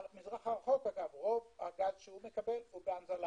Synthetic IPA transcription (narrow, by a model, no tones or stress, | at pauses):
mizʁaχaʁχo̞kaɡavʁo̞vaɡazʃehume̞kabe̞lubeanzala